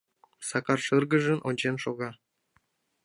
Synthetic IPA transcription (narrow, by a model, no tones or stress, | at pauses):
sɑkɑrʂɯrɡɤ̆ʐɘ̆nʔonʲd͡ʑenʃoɣɑ